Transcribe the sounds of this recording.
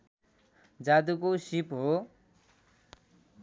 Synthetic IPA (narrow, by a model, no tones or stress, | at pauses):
d͡zad̪ukosipɦo